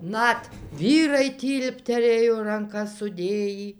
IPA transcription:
ˈnɐt ˈʋʲiːrɐɪ ˈtʲiːlʲpʲtʲɛrʲeːjoː rɐŋˈkɐs sʊˈdʲeːjiː

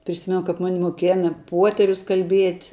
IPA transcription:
pʲrʲɪˈsʲɪmʲɛnʊ kɐp ˈmɑːnʲɪ moːˈkʲeːnɐ ˈpuɔtʲɛrʲʊs kɐlʲˈbʲiɛtʲ

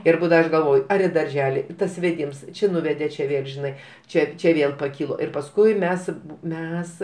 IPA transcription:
ɪr ˈbuːdɐʋɐ ˈɐʃ ɡɐlˠˈʋoːj ˈɐr ɪ dɐrʲˈʒʲæːlʲɪ tɐs ʋʲɛˈdʲɪms ˈt͡ʃʲɪ ˈnʊʋʲɛdʲeː t͡ʃʲɛ ˈʋʲeːlˠ ʒʲɪˈnɐɪ ˈt͡ʃʲɛ ˈt͡ʃʲɛ ˈʋʲeːlˠ pɐˈkʲiːlˠoː ɪr pɐsˈkʊɪ ˈmʲɛs ˈmʲɛs

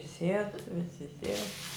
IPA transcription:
ˈsʲiɛt ˈʋʲɪsʲɪ ˈsʲiɛt

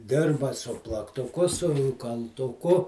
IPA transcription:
ˈdʲɪrbɐ sʊ plˠɐktʊˈkʊ sʊ kɐlˠtʊˈkʊ

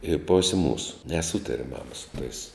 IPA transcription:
ɪ ˈpoːsʲeː ˈmuːsʊ nʲɛˈsuːtɐrʲɛ ˈmɑːmɐ sʊ tɐɪs

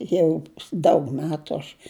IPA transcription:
ˈjɛʊ dɐʊk ˈmʲæːtʊ ɐʃ

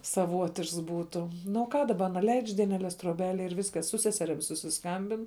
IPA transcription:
sɐˈʋuɔtʲɪʃks ˈbuːtʊ ˈnʊ oː ˈkɑː dɐˈbɐ ɐˈnɐ lʲɛɪt͡ʃ dʲiɛnʲɛˈlʲɛs troːˈbʲæːlʲeːj ɪr ˈʋʲɪskɐs sʊ ˈsʲæːsʲɛrʲɪm sʊsʲɪsˈkɐmʲbʲɪn

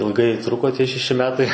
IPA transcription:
ɪlˠˈɡɐɪ ˈtrʊkoː ˈtʲiɛ ʃʲɛˈʃʲɪ ˈmʲæːtɐɪ

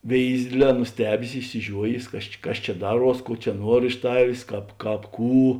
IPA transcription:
ˈʋʲeːɪzʲɪ ˈdʲeːdʲˌlʲɛː nʊˈsʲtʲæːbʲeːs ɪʃʲsʲɪˈʒʲuɔjeːs ˈkɐs t͡ʃʲɪ ˈkɐs ˈt͡ʃʲɛ ˈdɑːˌruɔs ˈkuɔ t͡ʃʲɛ ˈnuɔr ɪʃ ˈtɑːʋʲeːs ˈkɑːp ˈkɑːp ˈkuː

